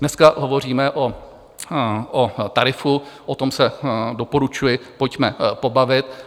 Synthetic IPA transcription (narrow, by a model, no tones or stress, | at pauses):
nɛskaʔɦo̞vo̞r̝iːmɛʔo | ʔot̪aɾɪfuʔot̪o̞msɛdo̞po̞ɾut͡ʃujɪpo̞cmɛpo̞bavɪt̪̚